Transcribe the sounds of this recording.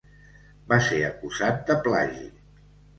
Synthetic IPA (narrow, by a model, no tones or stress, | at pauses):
baseəkuzat̪̚d̪əplaʒi